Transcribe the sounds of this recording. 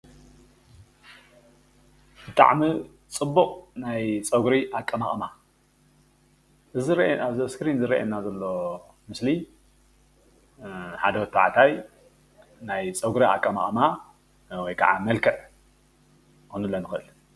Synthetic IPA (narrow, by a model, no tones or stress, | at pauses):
b̥ɨt̪ʼa̰ʕmi | t͡sʼɨbːuqʼnajt͡sʼɐɡɾiʔakʼːɐmaχʼma | ɨzɨɾaβzɐskɾinzɨɾɐ̰ʔḛnːazɐlːo̞ | mɨsli | ħad̪ɐwɔt̪ʰːa̰ʕt̪ʰaj | najt͡sʼɐɡɾia̰kʼːɐma̰χʼma | wɔjkʰa̰ʕamɐlkʰɨʕ | xunɨlːɐnɨxɨʔɨl